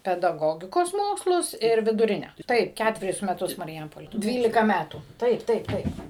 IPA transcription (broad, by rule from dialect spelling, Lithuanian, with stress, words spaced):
pʲɛdɐˈɡoːɡʲɪkoːs ˈmoːkslˠʊs ɪr ʋʲɪdʊˈrʲɪnʲɛ ˈtɐɪp ˈkʲætʲʋʲɛrʲʊs mʲɛˈtʊs mɐrʲˈjɛmpoːlʲeː ˈdʲʋʲiːlʲɪkɐ ˈmʲætuː ˈtɐɪp ˈtɐɪp ˈtɐɪp